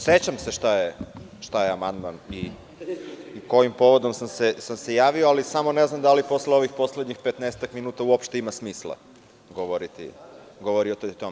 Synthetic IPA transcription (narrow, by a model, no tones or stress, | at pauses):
set͡ɕamse̞ʃt̪aje | ʃt̪ajeamand̪mani | ko̞jimpo̞ʋo̞d̪o̞msamsesamse̞jaːʋioalisamo̞neznamd̪alipo̞sleo̞ʋixpo̞sleɲixpet̪neset̪akminuːt̪auopʃt̪imasmiːslˠa̰ | ɡoʋoɾit̪ḭ | ɡo̞ʋoɾiot̪ot̪ome